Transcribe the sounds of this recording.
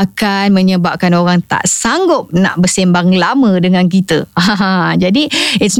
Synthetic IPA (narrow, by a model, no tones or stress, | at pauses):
akanmə̃ɲəbap̚kanoɾaŋt̪a̰ʔsaŋɡʊp̚na̰ʔbəsembaŋlamə̃dəŋãnk̬it̪əaãɦd͡ʒadiɪt̪s